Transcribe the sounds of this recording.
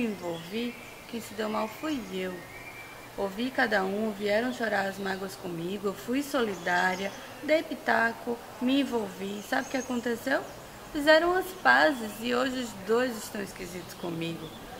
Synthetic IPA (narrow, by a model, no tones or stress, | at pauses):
ẽvowvi | kẽj̃sɪd̪ewmawfujew | ovikad̪ɐũviɛɾɐ̃w̃ʃoɾaɾɐzmaɡwɐskõmiɡʊewfujsolid̪aɾiɐ | d̪ejpit̪akʊ | mɪẽvowvisabɪʊkɪakõnt̪esew | fizɛɾɐ̃w̃ɐspazɪzɪoʒɪʊzd̪ojzɪʃt̪ɐ̃w̃iskizit̪ʊ̥skõmiɡʊ